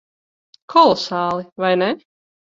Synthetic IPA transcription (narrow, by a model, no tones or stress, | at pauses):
kʰɔlˠɔsaːlˠivajnɛ